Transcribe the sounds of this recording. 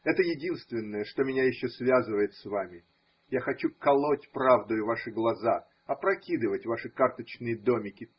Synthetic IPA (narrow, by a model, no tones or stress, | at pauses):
ɛt̪əjɪdʲinst̪vʲɪnːəjəʂt̪o̞mʲɪnʲajɪɕːosvʲazɨvəjɪt̪svamʲɪ | jaxɐt͡ɕukɐlˠotʲpɾavd̪əjʊvaʂɨɡlˠɐza | ɐpɾɐkʲid̪ɨvətʲvaʂɨkart̪ət͡ɕnɨjəd̪o̞mʲɪkʲɪ